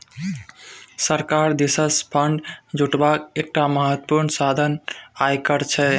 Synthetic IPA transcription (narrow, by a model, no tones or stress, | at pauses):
səɾkaɾd̪isəspʰəɳɖd͡ʒuʈbakek̚ʈaməɦət̪əpuɾɳsad̪ʱənajkəɾt͡ʃʰɛ